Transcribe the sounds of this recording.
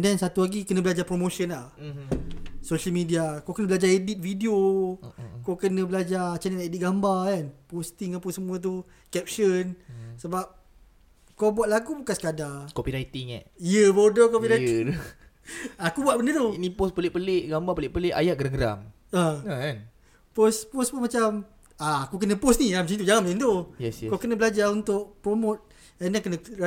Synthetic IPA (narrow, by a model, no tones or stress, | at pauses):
ɛndɛnsat̪uaɡikənə̃bəlad͡ʒapɾomoʃənla | soʃəlmidiakokənəbəlad͡ʒaedit̪̚fidio | kokənə̃bəlad͡ʒat͡ʃaniaʔedit̪̚ɡambakanpost̪iŋapənsəmũət̪̬u | kɛp̚ʃənsəbap̚ | kobuat̪̚laɡubukansə̥kadakopiɾajt̪iŋɛ̰ʔjəbodɔkop̬iɾaj | akubuat̪̚bəndət̪unĩpospəlɪʔpəleʔɡambapəlɪʔpəleʔa̰jaʔɡəɾəŋɡəɾa̰ŋ | əakan | pospospəmat͡ʃam | aakuk̬ənə̃posniamət͡ʃit̪ud͡ʒaŋanməint̪ojɛsɛkakənə̃bəlad͡ʒaunt̪ʊʔ̚pɾomot̪̚ | ɛnakənə̃